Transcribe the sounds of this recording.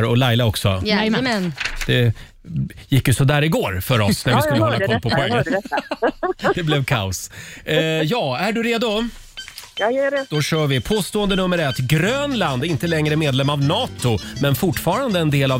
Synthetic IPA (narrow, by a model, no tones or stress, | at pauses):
ɾɔlajlaɔksɔ̰ | d̪̥ɛ | jɪkːjɵsɔd̪æːɾɪɡoːɾfœɾɔsnæɾvɪskɵlːhlːaɔpʰɔpʰɔɡa | d̪ɛblɛvkʰa̰ʊs | jɑːæɖɵɾeːd̪ʊ | jjɛd̪̥ɔɕœːvɪpʰoːst̪oːənd̪ənɵmːəɾɛt̪ːɡɾøːnland̪ɾɪnt̪əlɛŋɾəmeːd̪lɛmːavnɑːt̪ʊmɛnfʊʈːfɑːɾand̪əɛnd̪eːla